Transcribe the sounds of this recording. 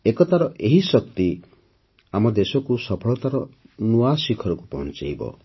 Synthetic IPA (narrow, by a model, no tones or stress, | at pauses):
ekɔt̪aɾɔʔeɦisɔk̚t̪i | amɔd̪esɔkusɔpʰɔɭɔt̪aɾɔnuasikʰɔɾɔkupɔ̰nt͡ʃa̰jbɔ̰